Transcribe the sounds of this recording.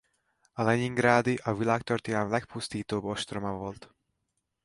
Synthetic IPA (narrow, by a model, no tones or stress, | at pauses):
ɒlɛɲiŋɡɾaːd̪iʔɒvilaːkt̪ørt̪ijaːmlɛk̚pust̪iːt̪oːboʃt̪ro̞mɒvo̞lt̪